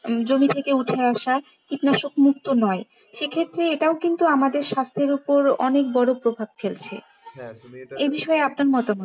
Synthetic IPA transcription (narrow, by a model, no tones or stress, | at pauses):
d͡ʑomit̪ʰekeuʈʰeaʃa | kit̪naʃokmuk̚t̪onɔe | ʃekʰet̪ːɾeeʈaokint̪uamad̪eɾʃast̪ʰeɾupoɾɔnek̚bɔɽopɾobʱabfelt͡ɕʰḛ | ebiʃɔeapnaɾmɔt̪amo